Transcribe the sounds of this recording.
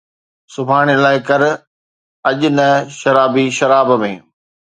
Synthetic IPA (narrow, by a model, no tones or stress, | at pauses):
sʊbʱaːɽ̃elaːɪkɐɾ | ɐʄʊnɐʃɐɾaːbiʃɐɾaːbmẽː